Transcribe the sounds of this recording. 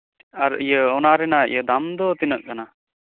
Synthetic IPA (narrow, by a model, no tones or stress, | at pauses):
aɾijəɔnaɾɛnaḭjəd̪amd̪ɔt̪inəʔ̚kana